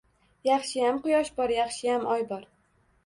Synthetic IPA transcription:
jɑχʃɪjamqʊjɒʃbɒɾjɑχʃɪjamɒjbɒɾ

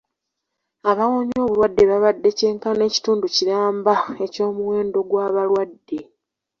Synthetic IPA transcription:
aβawoɲo̞ːβuɾwadːe̞βaβadːe̞ce̞ːŋkane̞ːci̥tuːnduciɾaːmbae̞co̞ːmuwe̞ːndo̞ɡwaːβalwadːe̞

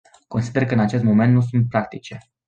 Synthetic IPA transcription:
ko̞nsid̪e̞rkəɨnat͡ʃe̞st̪mo̞me̞nt̪nus̬unt̪̚pɾakt̪it͡ʃe̞

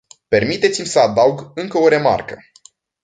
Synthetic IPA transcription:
pe̞rmit̪e̞t̪simʲsəad̪auɡɨŋkəo̞ɾe̞ma̰rkə

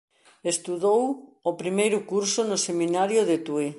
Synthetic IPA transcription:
est̪uðowopɾimejɾʊkuɾsʊnoseminaɾjʊðet̪ue

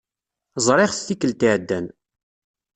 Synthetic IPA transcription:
zˤɾˤɪχθθikːəlt̪iʕd̪ːæn

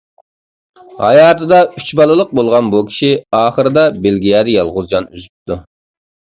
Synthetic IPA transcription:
hɑ̰jɑːt̪ʰɨd̪ɑyt͡ʃbɑlˠɨlˠəq̚bolˠʁɑnbukʲʰi̥ʃiɑːχəɾɨd̪ɑbelɡʲijɑːd̪ɛjɑlˠʁʊzd͡ʒɑny̰zyp̚t̪ʰu

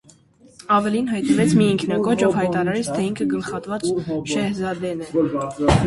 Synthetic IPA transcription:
ɑvɛlinɦɑjt̪nəvɛt͡sʰmiːŋkʰnɑkɔt͡ʃɔvhɑjvt̪ɑɾɑɾɛt͡sʰt̪ʰɛiŋkʰəɡəlχɑt̪vɑt͡sʃɛhzɑd̪ɛnɛ

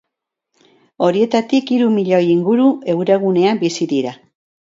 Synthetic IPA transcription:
o̞ɾie̞t̪at̪ikiɾumiʎojiŋɡuɾue̞wɾe̞ɣune̞ambisiðiɾa

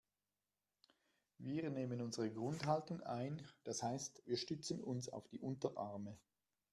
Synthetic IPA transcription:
viːɐneːmənʊnzəʁəɡʁʊndɦaltʊŋa̰ɪnd̥ashaɪstviːɐʃtʏt͡sən̩ʊnsa̰ʊfd̥iːʔʊntɐʔaʁmə

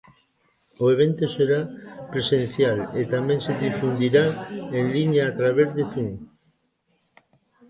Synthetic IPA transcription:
oeβ̞ent̪oseɾapɾesẽn̟θjalet̪amẽŋseðifund̪iɾaeŋliɲaːt̪ɾaβ̞eɾðeθuŋ

